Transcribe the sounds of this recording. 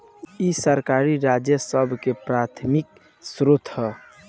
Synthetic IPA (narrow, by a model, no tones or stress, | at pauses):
isəɾkaɾiɾad͡ʒjəsəbʱkepɾat̪ʰmik̚ | sɾot̪ʰɦɛ